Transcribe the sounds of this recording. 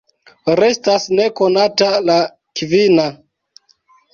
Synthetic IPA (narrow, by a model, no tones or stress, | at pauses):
ɾe̞stasne̞ko̞natala | kvina